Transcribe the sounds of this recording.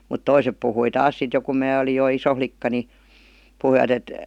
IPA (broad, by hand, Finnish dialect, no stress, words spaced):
mut toisep puhui tɑːs sit jo kum mæː olij jo iso flikːɑ ni puhuiʋɑt et